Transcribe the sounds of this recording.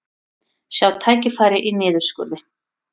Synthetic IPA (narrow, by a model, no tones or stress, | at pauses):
sjawt̪ʰaːjcɪfaːɾɪʔinɪːðʏɾ̥skʏ̰ɾðɪ